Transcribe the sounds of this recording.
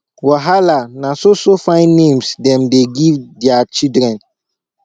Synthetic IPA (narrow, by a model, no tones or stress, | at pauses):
waɦalanasosofãɪ̃nːẽmsdɛ̃mdeɡivdɛat͡ʃidɾɛ̃n